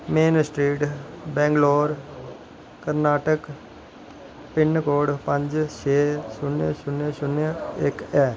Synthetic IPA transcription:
meːnsʈɾiːʈbɛ̃ːŋɡloːɾ | kəɾnaːʈək | pɪnːkoːɽpə̃ɲd͡ʒt͡ʃʰeːsʊnesʊnəsʊnəɪkɛː

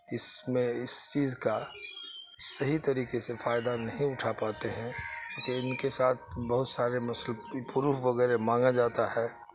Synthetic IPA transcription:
ɪsmẽɪst͡ʃiːzka | sɐɦit̪ɐɾiːkesefaːjd̪anɐɦĩʊʈʰapaːt̪eɦɛ̃kõːkeɪnkesaːt̪ʰbɐɦʊt̪saːɾemɐsəlpuɾuːɦʋɐɡɛːɾemãːŋɡad͡ʒaːt̪aɦɛː

